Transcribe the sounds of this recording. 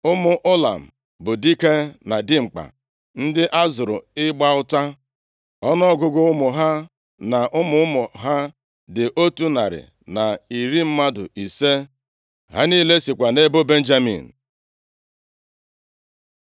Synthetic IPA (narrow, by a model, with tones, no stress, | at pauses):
ʊ˦mʊ˦ʔʊ˦la̰˨m̩˨ | bʊ˨di˦ke˦na˨dɪ˦ŋ͡m̩˨k͡pa̰˨ | n̩˦dɪ˦ʔa˦zʊ˨ɾʊ̰˨ɪ˦ɡ͡ba˦ʊ˦ta˦ | ɔ˦nɔ˦ɡʊ˦ɡʊ˦ʊ˦mʊ˨ɦa˦ | na˨ʔʊ˦mʊ˦ʊ˦mʊ˨ɦa˦ | dɪ˨ʔo˦tu˦na̰˨ɾɪ̰˨ | na˨i˨ɾi˦m̩˦ma˦dʊ̰˨ʔi˨se˦ | ɦa̰˦niː˦le˦si˨kʷa˨ne˦bʊ˦be˦n̩˦d͡ʒa˦mḭ˨n̩˨